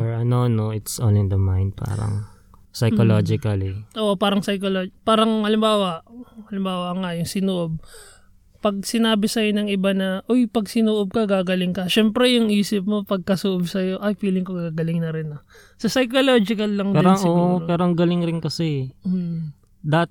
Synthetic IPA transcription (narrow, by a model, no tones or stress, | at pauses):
ɔɹɐnonoɪt̪sʔo̰nɪnd̪ɐmã̰jnd̪̚pa̰ːɾɐ̰ŋ | sɐjkolod͡ʒɪkɐliʔoːʔopaːɾɐŋsɐjkolopaːɾɐŋɐlɪmbaːwɐʔɐlɪmbaːwɐŋɐjʊŋsɪnoːʔob̚ | pɐɡ̚sɪnaːbɪsɐjo̞nɐŋɪbanɐʔojpɐɡsɪnoːʔob̚kɐɡaːɡɐlɪŋkɐʃɛmpɾɛjʊŋʔiːsɪp̚mo̞pɐɡ̚kɐsoʔobsɐjo̞ʔɐjfiːlɪŋko̞ɡaɡɐlɪŋnɐɾɪnɐ | sosɐjkoloːd͡ʒɪkɐlːɐŋdpɛːɾosʔsoʔoɾpɛːɾoʔɐŋɡɐlɪŋɾɪnkɐsɛ | d̪ɐt̪̚